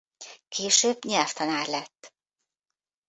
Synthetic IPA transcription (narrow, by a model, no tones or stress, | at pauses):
kʰeːʃøːbɲɛlft̪ɒnaːrlɛt̪ː